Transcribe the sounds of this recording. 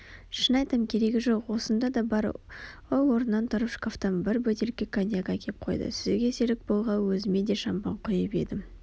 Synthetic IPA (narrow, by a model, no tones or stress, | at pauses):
ʃənɑjt̪əmkʲʰe̞ɾe̞ɡʲɪʒo̞qwo̞sənd̪ɑd̪ɑbɑɾowwo̞ɾənːɑnt̪ʰʊɾəpʃkoft̪ɑnbɪɾbɵt̪e̞lɪkʲːekʰanʲjaɡakʲʰep̚qʰo̞jd̪ə̰sɪzɡʲeseɾɪk̚bolˠʁɑwɵzɪme̞d̪e̞ʃɑmpɑ̰ɴqʰʊjəpe̞̰d̪ɪm